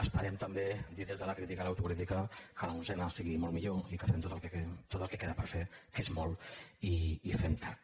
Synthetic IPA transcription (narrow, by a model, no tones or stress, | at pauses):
əspəɾɛmt̪əmbed̪iðezðələkɾit̪ikalawt̪ukɾit̪ikəkəlauzɛnəsiɣimɔlmiʎoikəfemt̪ot̪əlkeet̪ot̪əlˠkekeðəpəɾfekezmɔliːfemt̪a